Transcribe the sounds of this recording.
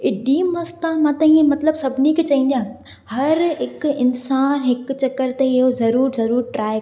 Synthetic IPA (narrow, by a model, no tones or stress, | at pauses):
ɪɗimɐst̪ãmãːt̪ɐ̃ĩẽmɐt̪ləbsɐbʱniket͡ɕɐɦĩn̆d̪ijã | hɐɾɦɪkɪnsaːnɦɪkt͡ɕɐkːəɾt̪eɪɦozɐɾuːɾzɐɾuːɾʈɾaː